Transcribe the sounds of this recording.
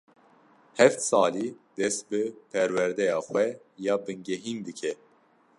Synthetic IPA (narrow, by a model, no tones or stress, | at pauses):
hɛft̪sɑːliːd̪ɛst̪̚bɨpʰɛɾwɛɾd̪ɛjɑːxwʷɛ | jɑːbɨŋɡɛɦiːnd̪ɨkʰɛ